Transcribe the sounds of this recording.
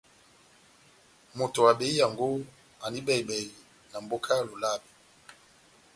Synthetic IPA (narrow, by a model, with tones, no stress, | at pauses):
mo˨to˨wa˨be˨˦i˦ja˨ŋɡo˦ | a˨ni˦bɛ˦˨i˨bɛ˨i˨ | na˨mbo˦kʰa˦ja˨lo˨la˦bi˨